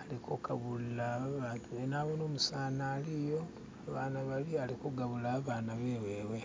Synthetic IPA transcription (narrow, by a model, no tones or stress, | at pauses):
alikokaβulːaβaːntʰuenaːβonoːmusaːnaːlijo | aβaːnaβalialikuɡaβulaβaːnaβeweːwe̞